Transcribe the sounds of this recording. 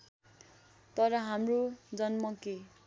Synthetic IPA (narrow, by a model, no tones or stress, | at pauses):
t̪ʌɾʌɦamrod͡zʌnmʌke